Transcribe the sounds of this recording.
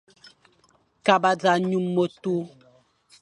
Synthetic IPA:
ka˨ba˦d͡za˨ɲu˦mːo˦tu˦

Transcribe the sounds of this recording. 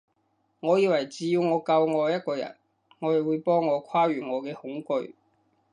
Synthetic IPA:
ŋɔː˨˧jiː˨˧wɐ˨˩jt͡siː˨˧jiː˧wŋɔː˨˧kɐ˧wŋɔː˨˧jɐ˥t̚kɔː˧jɐ̰˨˩n | ŋɔː˨˧jɐ˨˩wuː˨˧˥jpɔː˥ŋːɔː˨˧kʰwaː˥ɥyː˨ŋɔː˨˧kɛː˧hʊ˨˥ŋkɵ˧ɥ

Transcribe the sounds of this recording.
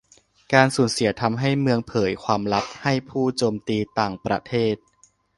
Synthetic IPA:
kaː˧nsuː˩˦nsi˨˩˦ɐt̪ʰa˧mɦa˥˩jmɯ˧əŋpʰɤː˩˦jkʰwaː˧mla˦˥p̚ha˥˩jpʰuː˥˩t͡ɕoː˧mt̪iː˧t̪aː˨˩ŋpɾa˧t̪ʰeː˥˩t̪̚

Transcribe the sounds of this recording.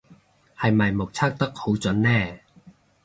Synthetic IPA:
hɐ˨jmɐ˨jmo˨˩k̚t͡sʰaː˥k̚t̪ɐ˥k̚ho˨˥wt͡sɵ˨˥nːɛː˥˩

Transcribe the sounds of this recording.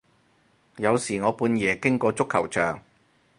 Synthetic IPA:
jɐ˨˧wsiː˨˩ŋɔː˨˧puː˨˧njɛː˨˩kɪ˥ŋkɔː˧t͡sʊ˥kʰːɐ˨˩wt͡ʃœ̰ː˨˩ŋ

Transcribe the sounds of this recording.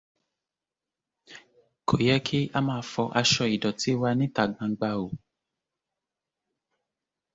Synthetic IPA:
kʰo˨jɛ˦kʰi˦a˧˦mãː˧fɔ˧ʔa˧ʃɔ˧i˨dɔ˨ti˨˦wa˧nĩ˦ta˨ɡ͡bã˧ɡ͡ba˧o˨

